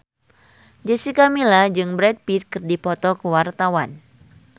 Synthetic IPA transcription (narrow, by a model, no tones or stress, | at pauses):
d͡ʒɛsikamilad͡ʒɨŋbɾɛd̚pit̪̚kɨrdipɔt̪ɔkəwart̪awan